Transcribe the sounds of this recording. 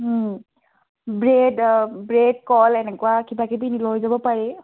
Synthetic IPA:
bɹedbɹed̚kɔlɛnɛkwakʰibakibinilɔjzabɔpaɹi

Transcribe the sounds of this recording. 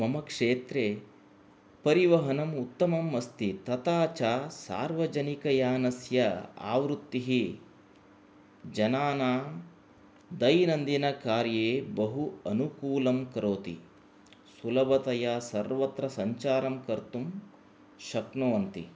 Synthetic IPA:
mɐmɐkʂeːt̪ɾeː | pɐɾiʋɐɦɐnɐmut̪ːɐmɐmːɐst̪it̪ɐt̪aːt͡ʃaːsa̰ːɾʋɐd͡ʒɐnikɐjaːnɐsjɐa̰ːʋɾut̪ːiɦi | d͡ʒɐnaːnaː | d̪ɐjnɐnd̪inɐkaːɾjeːbɐɦuɐnukuːlɐmkɐɾoːt̪ḭ | sulɐbɐt̪ɐjasɐɾʋɐt̪ɾɐsɐɲt͡ʃaːɾɐmkɐɾt̪um | ʃɐknɐʋɐnt̪i

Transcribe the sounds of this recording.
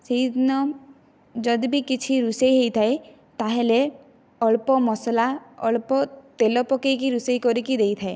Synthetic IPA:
sid̪nɔ | d͡ʒɔd̪ibikit͡ʃʰiɾusejɦejt̪ʰae | t̪aɦele | ɔɭpɔmɔslaɔ̰ɭpɔt̪elɔpɔkejkiɾusejkɔɾikid̪ejt̪ʰae

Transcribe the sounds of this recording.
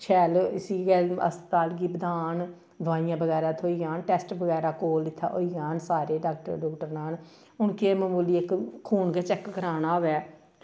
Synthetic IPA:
t͡ʃʰɛːlɪsiːɡɛːə̰st̪aːlɡiːbəd̪aːn | d̪ʊʋaːijãːbəɣɛːɾaːt̪ʰoːiːjaːnʈɛːsʈbəɣɛːɾaːkoːlɪt̪ʰːa̰ːʔo̰ːiːjaːnsaːɾeːɖaːk̚ʈə̰ɾɖɔːkʈəɾnaːn | ʊnkeːməmuːliːɪkkʰːuːnɡɛːt͡ʃɛkkəɾaːnaːʋɛː

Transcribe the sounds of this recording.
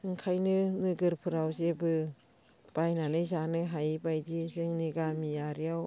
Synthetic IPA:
ɯŋkʰajnɯnɯɡɯɾpʰɯɾawzebɯ | b̥ajnanɯjzanɯɦajbajdizɯŋniɡamijaɾijaw

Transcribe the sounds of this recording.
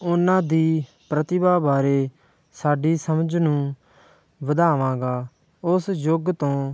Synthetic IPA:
ʊnãːd̪iː | pɾət̪ɪbaːbaːɾeː | saːɖiːsəməd͡ʒnũː | ʋəd̪aːʋãːɡaː | ʊsjoɡt̪õː

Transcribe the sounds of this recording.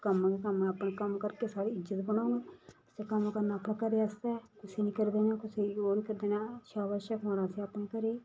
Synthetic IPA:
kəmːkəməpɳeːkəmkəɾkeːsaːɽiːɪd͡ʒːət̪bəñaːneːsd̪eːkəmkəɾnaːpnãːkəɾeəst̪ɛːkʊseːnĩːkəɾd̪eːnaːkʊseːjoːniːkəɾd̪eːnaːʃaːʋəʃəkoːɽaːseapneːkəɾeː

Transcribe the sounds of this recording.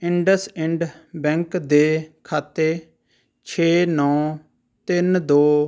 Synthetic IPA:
ɪɳɖəsɪ̃ɳɖbɛ̃ːŋkd̪eːkʰaːt̪eː | t͡ʃʰeːnɔ̃ː | t̪ɪnd̪oː

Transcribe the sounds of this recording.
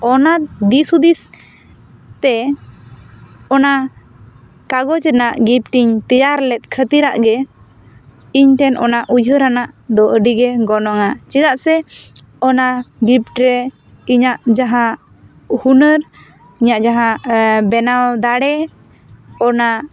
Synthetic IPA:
ɔnad̪isud̪is | t̪ɛ | ɔna | kaɡɔd͡ʒɛnaʔɡip̚ʈiɲt̪ɛjaɾlɛt̪̚kʰət̪iɾaʔɡɛ | iɲt̪ɛnʔɔ̰naʔujɦəɾanaʔd̪ɔʔəɖiɡɛɡɔnɔŋat͡ʃɛd̪aʔsɛ | ɔnaɡip̚ʈɾɛ | iɲaʔd͡ʒaɦa | hunəɾ | iɲaʔd͡ʒaɦabɛnawd̪aɽɛ | ɔna

